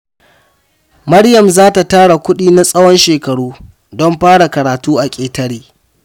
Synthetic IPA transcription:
mɐ˦ɽjɐ˨mzaː˦ta˨taː˦ɽa˨kʷʊ˦ɗiː˦na˦sʼɐ˦wɔ˦nʃeː˨kɐ˨ɽuː˦ | dɔ˦mɸaː˦ɽa˨kɐ˨ɾaː˨tuː˦ʔa˨kʲʼeː˨tɐ˦ɽiː˦

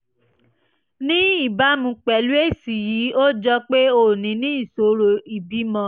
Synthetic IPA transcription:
nĩ˦i˦˨ba˨˦mũ˧˦k͡pɛ˨lu˦e˦˨si˨ji˨˦o˦d͡ʒɔ˧k͡pe˦o˧˨nĩ˨˦nĩ˦i˦˨so˨˦ɾo˧i˨bi˨˦mɔ̃˧˦

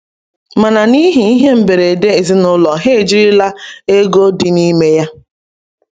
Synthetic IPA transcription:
ma˨na˨ni˦ɦi˨i˦ɦe˦m̩˨be˨ɾe˨de˦e˨zi˦nʊ˦lɔ˨ɦe˦˨d͡ʒi˦ɾɪ˦la˦e˦ɡo˦dɪ˨ni˦me˦ja˦

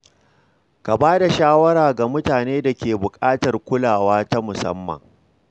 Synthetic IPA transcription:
ka˨baː˦da˨ʃaː˦wɐ˦ɾaː˨ɡa˨mʊ˦taː˨neː˦da˨kʲeː˨bʊ˨kʼaː˦tɐ˨rkʷʊ˦laː˨waː˦ta˦mʊ˨sɐ̰˦mːɐ̰˨ŋ

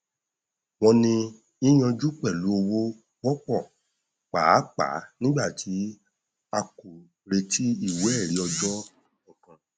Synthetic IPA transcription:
w̃ɔ̃˧nĩ˧ | i˦j̃ɔ̃˧d͡ʒu˦k͡pɛ˦˨lu˨˦o˧wo˦ | wɔ˦k͡pɔ˦˨ | k͡pa˨˦k͡pa̰˨˦nĩ˦ɡ͡ba˦˨tʰi˨˦ | a˧ku˨ | ɾe˧tʰi˦i˦˨wu˦ɛ˦˨ɾi˨˦ɔ˧d͡ʒɔ˦ | ɔ̃˨kã˧

